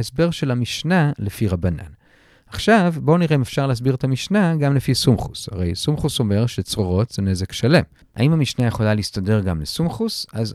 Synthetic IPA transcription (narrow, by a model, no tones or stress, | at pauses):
esbe̞ʁʃe̞lamiʃnalefiʁabana̰n | aχʃavbo̞niʁeimefʃaʁlehas̬biʁet̪amiʃnaɡamlefisumχusha̰ʁe̞jsumχuso̞me̞ʁʃet͡sʁoʁo̞tz̥ene̞ze̞kʃale̞m | ʔa̰imhamiʃnajeχolaliistade̞ʁɡamlesumχusaz